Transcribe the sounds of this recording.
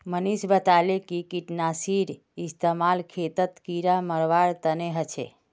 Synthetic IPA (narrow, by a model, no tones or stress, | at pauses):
mənisbət̪alekikiʈnasiɾ | ɪst̪əmalkʰet̪ət̪kiɾaməɾʋaɽt̪əneɦət͡ʃʰḛ